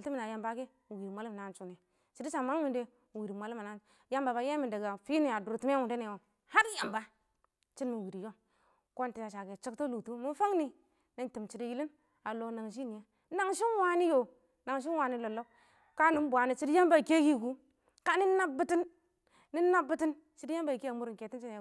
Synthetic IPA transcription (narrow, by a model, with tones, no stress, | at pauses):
lti˦mi˨na˨ja˨mba˦ke˦˨wi˨ɾi˨mʷa˨˦li˦m˨na˨˦nt͡ʃu˦ne˨ | t͡ʃi˨di˦t͡ʃa˨ma˦ŋ˦mi˨nde˦˨ | wi˨ɾi˨mʷa˨li˦ma˨na˦ | ja˦mba˨ba˨˦je˦mi˨nda˨ɡa˨fi˦ni˨a˨du˨ɾti˦me˦wu˨de˦ne˨wo˨ | ha˦ɾja˨mba˦ | t͡ʃi˦nːi˨wi˨ɾi˨jo˦ŋ | ko˦nti˨ja˨ʃa˨ɡe˨t͡ʃi˦kto˦lu˨tu˦mu˦fa˦ŋni˨ | ni˦n˦ti˨mt͡ʃi˨di˦ji˦li˦n | a˨lo˨na˨ŋʃ̬i˦ni˨je˦ | na˨ŋʃi˦nwa˦ni˦jo˨ | na˨ŋʃ̬i˦n˦wa˨ni˦lo˨lo˦ | ka˦ni˦m˦bʷa˨ni˨t͡ʃi˦dja˦m˦ba˨i˨ke˦ɡi˦˨ɡu˦ | ka˦ni˦na˦bbi˦ti˦nː | i˦nːa˦bi˨ti˦n | t͡ʃi˦di˦ja˦mba˨i˨ki˦a˨mu˦ɾi˨ke˨ti˦t͡ʃi˦n˨